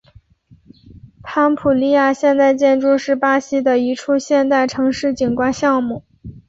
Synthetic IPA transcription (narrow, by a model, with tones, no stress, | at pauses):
pʰa˥npʰu˨˩li˥˧ja˥˩ɕjɛ˥˧nt̪a˥˧ɪt͡ɕjɛ˥˧nʈ͡ʂu˥˧ʂɻ̩˥˩pa˥ɕi˥d̪ə˨i˧˥ʈ͡ʂʰu˥ɕjɛ˥˧nt̪a˥˩ɪʈ͡ʂʰɤ˧˥ŋʂɻ̩˥˩t͡ɕi˨˩nkwa˥nɕjɑ˥˧ŋmu˥˩